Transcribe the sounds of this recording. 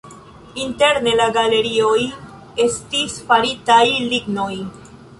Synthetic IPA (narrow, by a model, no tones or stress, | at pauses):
inte̞ɾne̞laɡale̞ɾio̞j | e̞stisfaɾitajliɡno̞j